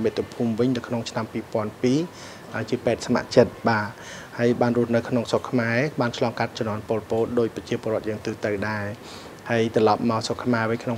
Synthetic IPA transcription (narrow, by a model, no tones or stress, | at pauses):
mɨt̪ʰːupʰumʋɨɲnɨwkʰnoŋt͡ɕʰnampiːpɔ̆ənpiː | ʔəːt͡ɕiəpaɛt̪̚sama̰ʔt͡ɕət̪̚ɓaː | haəjɓaːnruəhnɨwkʰnoŋsokʰːmaɛɓaːnt͡ɕʰlɑːŋkat̪̚t͡ɕɑmnːɔənpoːlpoːlɗoːc̚prɑt͡ɕiəpoəɾroət̪̚jəːŋt̪ɨːt̪əwɗaɛ | haəjt̪rɑlɑp̚maɔsokʰmaɛʋɨɲkʰno